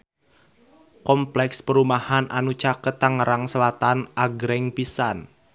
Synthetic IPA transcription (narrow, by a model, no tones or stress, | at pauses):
kɔmplɛkspəɾumahanʔanut͡ʃakət̪ːaŋəɾaŋsəlat̪anʔaɡɾɛŋpisan